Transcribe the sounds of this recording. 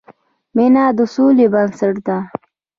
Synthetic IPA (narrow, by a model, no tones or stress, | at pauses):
minaːd̪usulibɐnsaʈd̪a